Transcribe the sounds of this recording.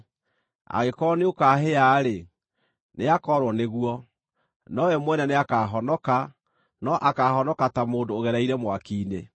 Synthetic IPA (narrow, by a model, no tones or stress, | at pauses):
a̰ɣekɔneokaːɦeaːɾe | neakɔɾwɔneɣwɔ | nɔɛmwɛnɛneakaːɦɔnɔka | nɔʔakaːɦɔnɔkatamoːndoːɣɛɾaiɾɛmwakiːne